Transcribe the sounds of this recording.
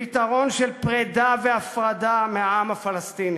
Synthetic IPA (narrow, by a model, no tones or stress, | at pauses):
it̪aʁo̞nʃelpʁedaveafʁadameaamafalast̪ini